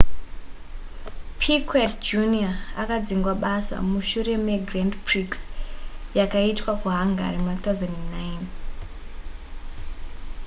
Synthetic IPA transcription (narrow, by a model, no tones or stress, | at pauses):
pʰikwetd͡ʒuniaːkad͡ziŋɡwaɓasa̰muʃure̞meɡrandpriks | jakaitwakuɦaŋɡʱa̰ɾimunat̪awzenennain